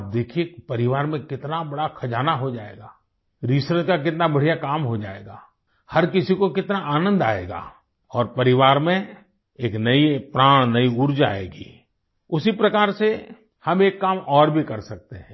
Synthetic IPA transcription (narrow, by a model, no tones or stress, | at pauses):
b̚d̪eːkʰijepɐɾɪʋaːɾmẽkɪt̪nabɐɽakʰɐd͡ʒaːnaɦod͡ʒaːḛːɡaː | ɾiːsɾət̪̚kak̬ɪt̪nabɐɽ̤ijakaːmɦod͡ʒaːḛːɡaː | hɐɾkɪsikokɪt̪naʔaːnə̃nd̪a̰ːḛːɡa̰ː | ɔːɾpɐɾɪʋaːɾmẽ | eːknɐipɾaːɽ̃nɐiʊɾd͡ʒa̰ːḛːɡḭː | ʊsipɾɐkaːɾse | hɐmeːkːaːmɔːɾbʱikɐɾsɐk̚t̪eɦɛ̃ː